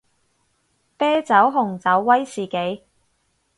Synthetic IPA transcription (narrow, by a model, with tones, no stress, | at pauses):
pɛː˥t͡sɐ˨˥wɦʊ˨˩ŋt͡sɐ˨˥wːɐ˥jsiː˨˩ke˨˥j